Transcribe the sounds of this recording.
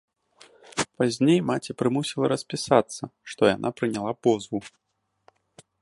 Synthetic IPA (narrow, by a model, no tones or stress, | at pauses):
pazʲnʲejmat͡sʲipɾɨmusʲilˠɐɾɐsʲpʲisat̪sːɐʂt̪ɔja̰nʔapɾɨnʲalˠapɔzvu